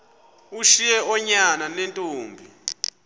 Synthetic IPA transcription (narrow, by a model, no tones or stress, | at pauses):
uʃijɛʔɔɲananɛntʼoːmbʱi